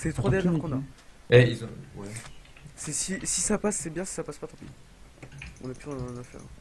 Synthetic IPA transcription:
sɛt̪χwad̪ɛʁʒɛʁkɔ̃naɛilz̃wɛ | sɛsisisapasːɛbjɛ̃si̥sapaspat̪ɔ̃pii | ɔ̃napyɛ̃nafɛ̰ʁ̰̃

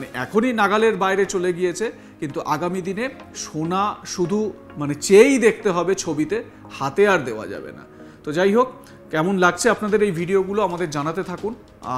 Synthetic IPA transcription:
neʔɛ̰kʰoninaɡaleɾbajɾet͡ɕoleɡijet͡ɕʰe | kint̪uʔaɡamid̪ine | ʃonaʃud̪ʱu | manet͡ɕejd̪ek̚ʰt̪eɦɔbet͡ɕʰobit̪e | hat̪eaɾd̪eoa̰d͡ʑa̰bḛna̰ | t̪od͡ʑajɦokː | ɛmonlaɡ̚t͡ɕʰeapnad̪eɾejbʱiɖioɡuloamad̪eɾd͡ʑanat̪et̪ʰakun | a̰

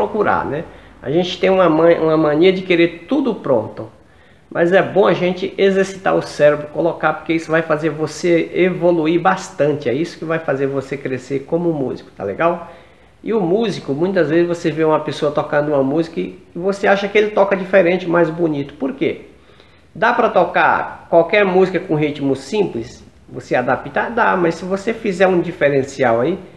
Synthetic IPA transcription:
pɾokuɾa̰nɛ | a̰ʒẽnt͡ʃɪ̥t̪ẽj̃ũmɐmɐ̃ʔũɐmɐ̃niɐd͡ʒɪkeɾeɾt̪ud̪ʊpɾõ̰nt̪ʊ | mʔɐzɛbõaʒẽnt͡ʃɪʔezeɾsi̥t̪a̰ɾʊsɛɾebɾʊkolokapoɾkeisʊvajfazeɾvoseevoluiɾbast̪ɐ̃nt͡ʃɪaisʊ̥kɪvajfazeɾvosekɾeseɾkõmʊʊmṵzikʊ̥t̪a̰lḛɡaw | ɪʊmuzikʊmũj̃t̪ɐzvezɪzvoseveũmɐpesoɐt̪okɐ̃nd̪ʊũmɐmuzikɐɪvoseaʃɐkɪelɪt̪ɔkɐd͡ʒifeɾẽnt͡ʃɪʊmajzbunit̪ʊ̥poɾke | d̪apɾɐt̪ɔka̰ɾkwawkɛɾmuzikɐkõɦit͡ʃmʊsĩplɪs | vosead̪apit̪ad̪amɐssɪvosefizɛɾũd͡ʒifeɾẽsiawai

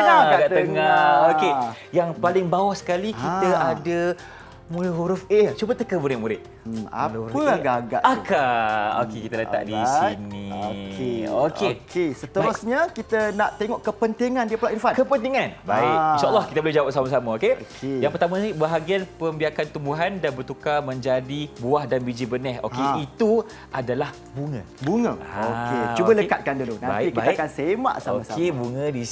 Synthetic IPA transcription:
aɡaɡaʔt̪əŋaoke | jaŋpalɪŋbawahsə̥kalikitaada | muɾəɦuɾufet͡ʃubət̪əkəbuɾɪʔmuɾɪt̪̚ | a̰dhuɾəɡaɡa̰ʔakao̰kekit̪aləa̰ʔdisinikeokekʰesət̪əɾusɲəkit̪ənaʔt̪eŋɔʔkəpənt̪iŋandiəpulaʔinfankəpənt̪iŋanbaɪkinʃaʔalːɔhkit̪əbəlɛhɦd͡ʒawaʔ̚samas̬amãokeokejaŋpərt̪amãnibəɦaɡianpəmbiakant̪umbuɦandanbərt̪ukamə̃ɲd͡ʒadibuahdanbid͡ʒibənɛho̰keit̪u | ʔadalah | buŋə̃ | buŋə̃aoket͡ʃubələkat̪̚kandulunãbaɪik̚iaakakansemã̰ʔsaoasakebuŋə̃di

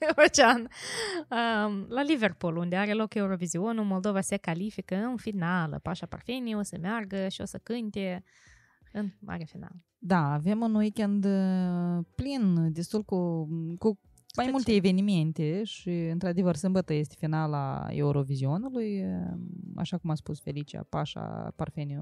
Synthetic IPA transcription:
eɾot͡ʃean | əlalive̞rpulund̪eaɾe̞lo̞ke̞uɾo̞vizio̞numo̞ld̪o̞vase̞kalifikəɨnfinalə̰paʃapa̰rfenio̞səmearɡəʃio̞səkɨnt̪e̞ | ɨnmʔa̰ɾeafina̰lə | d̪aːve̞munwikʲend̪ | plind̪est̪ulkoku | majmult̪eːve̞nime̞nt̪eʃiɨnt̪ɾad̪e̞vərsɨmbət̪əje̞st̪ʲe̥finala̰ḛuɾo̞vizio̞nuluj | a̰ʃakumat̪spusfe̞lit͡ʃia̰pa̰ʃa̰parfenio

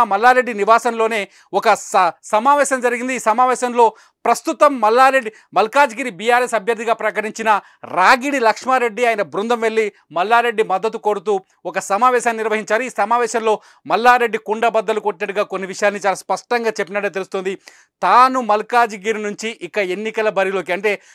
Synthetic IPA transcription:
mɐlːaːɾe̞ɖːiniʋaːsɐmlo̞ːne̞ː | ɔkɐsɐsɐmaːʋɛːʃɐmd͡ʒɐɾiɡind̪iːsɐmaːʋɛːʃɐmlo̞ː | pɾɐst̪ut̪ɐmːɐlːaːɾeɖːi | mɐlkaːd͡ʒɡiːɾibijaːɾesɐbʱjɐɾd̪iɡaːpɾɐkɐʈiɲt͡ʃinɐ | ɾaːɡiɽilɐkʂmaːɾe̞ɖːiaːjinɐbɾund̪ɐmʋe̞ɭːi | mɐlːaːɾe̞ɖːimɐd̪ːɐt̪ːuko̞ːɽut̪̬uː | ɔkɐsɐmaːʋɛːʃaːnːniɾʋɐɦiɲt͡ʃaːɾuiːsɐmaːʋɛːʃɐmlo̞ː | mɐlːaːɾe̞ɖːikuɳɖɐbɐd̪ːɐlukoʈːinɐʈːuɡaːkonːiʋiʂɐjaːlnit͡ʃaːlaːspɐʂʈɐŋɡaːt͡ʃe̞pːinɐʈːt̪e̞lust̪ond̪i | t̪aːnumɐlkaːd͡ʒɡiːɾinuɲt͡ʃiʔikːɐenːikɐlɐbɐɾilo̞ːk̬iɐɳʈe̞ː

